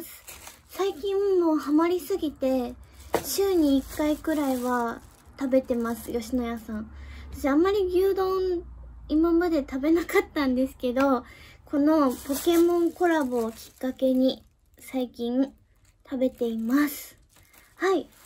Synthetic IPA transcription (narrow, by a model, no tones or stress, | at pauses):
sɨ̥ | saikʲĩɰ̃mo̞ːhamaɾʲisɨɡʲit̪e̞ɕɨːɲ̟iːkːaikɯ̟ɾaiβa | t̪abe̞t̪e̞masɨ̥jo̞ɕino̞jasãɴ̃t̪aɕiamːaɾʲiɡʲɨːd̪õ̞nimamad̪e̞t̪abe̞nakat̪ːãnd̪e̞sɨ̥ke̞d̪o̞kʰo̞no̞po̞ke̞mõ̞ŋko̞ɾabɯːkʲi̥kːake̞ɲ̟i | saikʲĩɴ | t̪ʰabe̞t̪e̞imasɨ̥ | hai